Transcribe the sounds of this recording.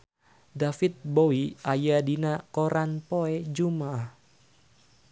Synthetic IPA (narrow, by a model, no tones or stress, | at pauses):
dafit̪̚bowiʔajadinakoɾʔanpoɛd͡ʒumah